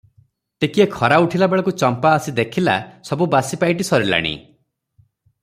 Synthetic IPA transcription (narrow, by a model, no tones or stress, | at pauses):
t̪ekiekʰɔɾauʈʰilabeɭɔkut͡ʃɔmpaːsid̪ekʰila̰sɔbubasipaiʈ̬isɔɾila̰ɽ̃ḭ